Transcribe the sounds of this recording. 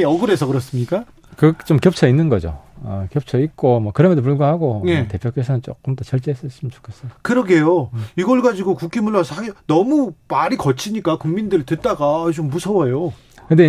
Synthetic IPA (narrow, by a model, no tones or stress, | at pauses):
eʌɡɯɾe̞sʰʌkɯɾʌs͈ɯmɲik͈a | kɯt͡ɕ͈omkjʌp̚t͡ɕʰʌinːɯnɡʌd͡ʑo̰ʌkjʌp̚t͡ɕʰʌik͈omwʌkɯɾʌmjʌndop̬uɭɡahaɡoete̞pʰjok͈esʰʌnɯnt͡ɕ͈ok͈ɯmt͈ot͡ɕʌɭt͡ɕ͈eɦes͈ʌɕ͈imət͡ɕo̥kʰes͈ʌjokɯɾʌɡe̞joiɡʌɭɡad͡ʑiɡokuk͈imuɭːasʰʌanʌmumaɾikʌt͡ɕʰiɲik͈akuŋmindɯɾitɯt̚t͈aɡaːt͡ɕomːusʰʌwʌjo | kɯnde